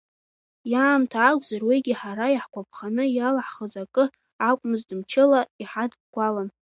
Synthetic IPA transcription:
jaːmtʰaːɡʷʼzarwiɡʲiħaɾajiħkʷap̚ʰχanɨjalaħχəzakʼɨ | akʷʼmɨzdɨmt͡ʃʰɪlaiħadɡ̚ɡʷʼalan

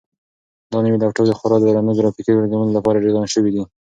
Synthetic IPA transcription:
d̪ɑnəwid̪aʈaɾd̪əxʊɾɑd̪əɾanəɡɾɑfikiwaɾɡawunolapɑɾaɖeɾd̪ɑnʃəwid̪i

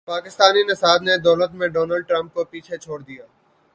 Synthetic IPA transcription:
paːkɪst̪aːninɐsaːd̪ned̪ɔːlət̪mẽɖɔːnəlɖ̚ʈɾə̃mp̚kopiːt͡ʃʰet͡ʃʰoːɽd̪ijaː

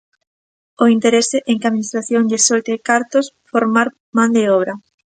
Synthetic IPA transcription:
oint̪eɾeseʔeŋkeaðminist̪ɾaθjõŋʎesolt̪ekaɾt̪os | foɾmaɾ | mãnd̪eɔβɾɐ

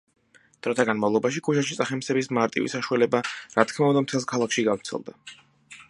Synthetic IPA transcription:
d̪̥ɾɔt̪ʰaɡanmavlˠɔbaʃikʰuʃaʃit̪sʼaχɛmsɛbismaɾt̪ʼḭvḭsaʃualɛbaɾat̪̚ʰkʰmaund̪amt̪ʰɛlˠskʰalˠakʰʃiɡavɾt̪sʰɛ̰lˠd̪a

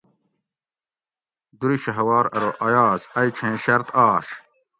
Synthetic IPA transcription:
d̪uɾiɕɐɦɐwaːɾɐɾoʔɐjaːzɐjt͡ɕʰẽːɕɐɾt̪aːɕ

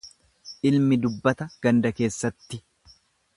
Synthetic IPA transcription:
ʔɪlmɪd̪ʊbːɐt̪ɐɡ̥ɐnd̪ɐke̞ːsːɐt̪ːɪ

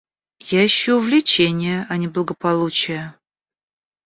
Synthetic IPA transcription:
jaɪɕːoʊvlʲɪt͡ɕenʲɪjəʔɐnʲɪblˠəɡəpɐlˠut͡ɕɪjə

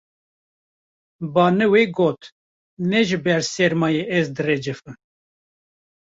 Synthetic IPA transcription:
bɑːnɨweɡoːt̪ | nɛʒɨbɛɾsɛɾmɑːjeɛzd̪ɨred͡ʒɨfɨn

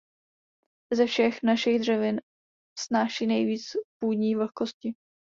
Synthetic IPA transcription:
zɛfʃɛxnaʃɪɣdr̝ɛvɪn | snaːʃiːnɛjviːt͡spuːdɲiːvl̩xko̞scɪ

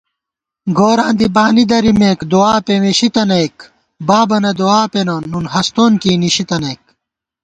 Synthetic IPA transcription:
ɡoːɾãːnd̪ibaːnid̪ɐɾimeːkd̪uaːpeweɕit̪ɐnejk | baːbɐnɐd̪uaːpenoːnːunhɐst̪oːnkiːniɕit̪ɐneːk̚

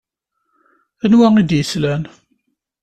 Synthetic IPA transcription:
ənwæid̪jəslæn

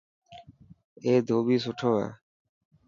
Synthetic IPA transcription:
eːd̪ʱoːbiːsʊʈʰoːɛ̰ː

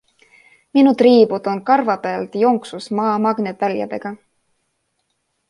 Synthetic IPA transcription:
minut̪riːbud̪̥o̞nkɑrvɑpeɑlt̪jo̞ŋksusmɑːmɑɡ̥nevæljɑ̰d̪̥e̞ɡ̥ɑ

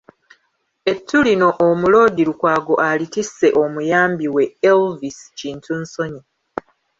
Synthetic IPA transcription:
e̞tʰːulino̞ʔːmulo̞ːdiɾukwaːɡo̞ʔalitise̞ʔo̞mujaːmbiwe̞elvisciːntʰunso̞ɲi

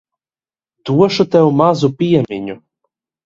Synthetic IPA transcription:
t̪uɔʃʊt̪ɛwmazupʲiɛmʲiɲʲu

